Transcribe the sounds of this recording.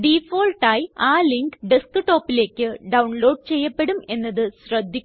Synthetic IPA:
ɖifoːlʈaːjaːliŋkɖiskɨʈo̞ːpːile̞ːkʲːɨɖɐwɳloːɖ̚t͡ɕe̞jːɐpːe̞ɽume̞nːɐðɨɕrɐd̪ʱːikʲː

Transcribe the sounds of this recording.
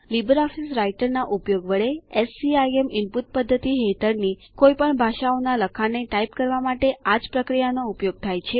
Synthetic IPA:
libəɾɔfisɾaiʈəɾnaʔupjoɡʋəɭeɛsiajemɪmput̪̚pəd̪ʱːət̪iɦet̪ʰəɾni | kojpəɳbʱaʃaonaləkʰaneʈaip̚kəɾʋamaʈead͡ʒpɾəkɾijanoupjoɡ̚t̪ʰajt͡ʃʰe

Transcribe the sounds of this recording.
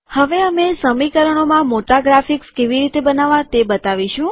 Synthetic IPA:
həʋeəmesəmikəɾəɳ̃omãmoʈaɡɾafikskeʋiɾit̪ebənaʋãt̪ebət̪aʋiʃũ

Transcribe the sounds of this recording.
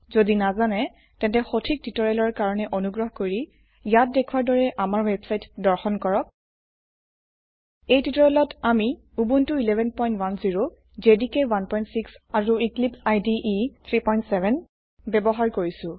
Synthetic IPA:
zodinazanɛ | tɛ̃ntɛxotʰik̚titɔɹɛlɔɹkaɹɔnɛʔonuɡɹɔɦkoɹi | jat̚dekʰuwaɹdɔɹɛʔamaɹwebsajtdɔɹxɔnkɔɹɔk̚ | ejtitɔɹɛlɔtami | ubuntuilɛbʱɛnpɔjntwanziɹo | zedikɛwanpɔjntsiksaɹuiklipsajdiʔit̪ʰɹipɔjntsɛbʱɛn | bɛbɔɦaɹkoɹisʊ̃

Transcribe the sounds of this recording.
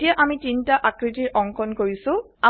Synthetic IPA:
ijaʔamitintaʔakɹitiɹʔɔŋkʰɔnkoɹisʊ̃ | a

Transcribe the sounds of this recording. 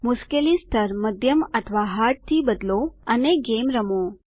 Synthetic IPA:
mʊskelist̪ʰəɾməd̪ʱjəmət̪ʰʋaɦaɾʈ̚t̪ʰibəd̪loəneɡemɾəmo

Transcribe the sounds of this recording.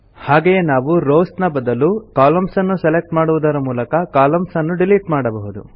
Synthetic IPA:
haːɡejenaːʋuɾoːsnɐbɐd̪ɐlukaːlɐmsɐnːuselek̚ʈmaːɽuʋud̪ɐɾɐmuːlɐkɐkaːlɐmsɐnːuɖiliʈmaːɽɐbɐɦud̪ṵ

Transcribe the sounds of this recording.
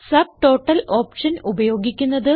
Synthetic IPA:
sɐb̚ʈo̞ːʈːɐloːpʂɐnubɐjo̞ːɡikʲːunːɐðɨ

